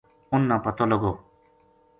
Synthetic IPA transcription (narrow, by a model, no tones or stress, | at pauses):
ʊnːãːpət̪oːləɡoː